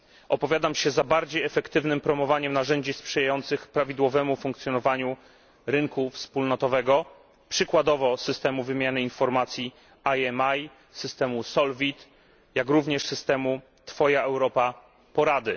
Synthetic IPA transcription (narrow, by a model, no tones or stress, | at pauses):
ʔɔpɔvʲjad̪amɕɛzabaɾd͡ʑejɛfɛkt̪ɘvnɘmpɾɔmɔvaɲɛmnaʐɛɲd͡ʑispʂɛjajɔnt̪sɘxpɾavʲid̪wɔvɛmufuŋkt̪sʲjɔnɔvaɲu | ɾɘŋkufspulnɔt̪ɔvɛɡɔ | pʂɘkwad̪ɔvɔsɘst̪ɛmuvɘmʲjanɘinfɔɾmat̪sʲji | ajɛmaj | sɘst̪ɛmusɔlvʲit̪ | jakɾuvɲɛʂsɘst̪ɛmu | t̪fɔjaʔɛwɾɔpa | pɔɾad̪ɘ